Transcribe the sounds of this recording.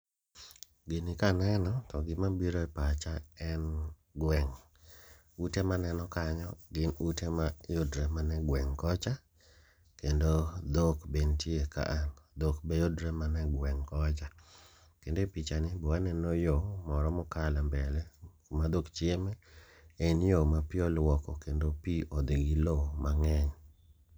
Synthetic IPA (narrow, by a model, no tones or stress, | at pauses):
ɡɪnɪkanɛnɔtɔɡɪmabiɾoɛpat͡ʃaɛn | ɡwɛŋ | utemanɛnɔkaɲɔɡɪnutemajʊdɾemanɛɡwɛŋkɔt͡ʃa | kendod̪okbentieka̰ʔand̪okbejodɾɛmanɛɡwɛŋkɔt͡ʃa | kendopit͡ʃanɪbɔwanɛnojomɔɾɔmʊkalɛmbɛlɛ | mad̪okt͡ʃemɛ | enjomapɪɔlwɔkɔkendopiɔd̪iɡɪlomaŋɛɲ